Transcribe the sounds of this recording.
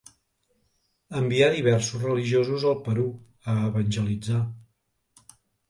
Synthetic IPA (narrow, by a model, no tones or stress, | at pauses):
əmbiaðiβɛrsuzrəliʒiozuzəlˠpəɾu | əːβənʲʒəlid͡za